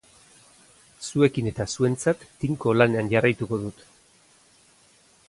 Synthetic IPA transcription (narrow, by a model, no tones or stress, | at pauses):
sue̞kine̞t̪asue̞nt͡sat̪ːiŋko̞lane̞anʝarajt̪uko̞ðut̪